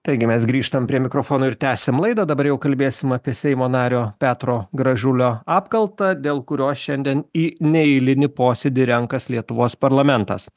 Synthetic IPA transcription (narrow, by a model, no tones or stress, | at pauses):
t̪ɐɪɡʲɪmʲɛs̬ɡɾʲiːʃt̪ɐmpʲɾʲiɛmʲɪkɾofoːnoːɪɾt̪ʲæːsʲemlˠɐɪd̪ɐd̪ɐbɐɾjɛʊkɐlʲbʲeːsʲɪmɐːpʲiɛsʲɛɪmoːnɑːɾʲoːpʲæːt̪ɾoːɡɾɐʒʲʊlʲoːɑːpkɐlˠt̪ɑd̪ʲeːlˠkʊɾʲoːsʃʲɛnʲd̪ʲiɛniːnʲɛɪlʲɪnʲɪpoːsʲɛd̪ʲɪɾʲɛŋkɐslʲiɛt̪ʊʋoːspɐɾlˠɐmʲɛnt̪ɐ̰s